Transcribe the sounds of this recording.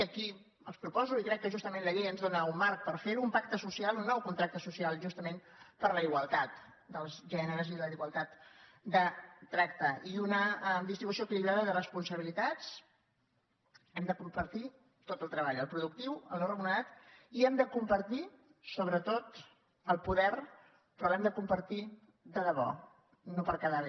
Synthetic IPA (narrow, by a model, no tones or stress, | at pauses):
əki | ə̰lˠspɾupɔzuikɾɛkːəʒust̪əmẽnləʎejənzðonəummaɾk̚pəɾfeɾuumpak̚t̪əsusialunːɔwkunt̪ɾak̚t̪əsusialˠʒust̪əmen | pəɾləiɣwəlˠt̪at̪̚ | d̪əlˠzʒɛnəɾəziðəəiɣwəlˠt̪at̪ | d̪ət̪ɾakt̪əʔiunəd̪ist̪ɾiβusiout̪ilizaðəðərəspunsəβilit̪at͡s | ɛmd̪əkumpəɾt̪i | t̪ot̪əlˠt̪ɾəβaʎəlˠpɾuðuk̚t̪iwə̰lˠnorəmunəat̪iɛmd̪əkumpəɾt̪i | soβɾət̪ot̪ | əlˠpuðɛɾ | pɾɔɛmd̪əkumpəɾt̪i | d̪əðəβ̞ɔ̰ | nopəɾkaðaβe